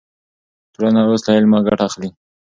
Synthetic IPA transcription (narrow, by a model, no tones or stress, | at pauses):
t̪ɽanaoslajelmɑɡaʈaxli